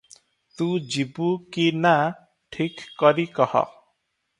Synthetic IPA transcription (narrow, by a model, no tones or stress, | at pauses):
t̪ũd͡ʒibukina | ʈʰikːɔɾikɔhɔ̰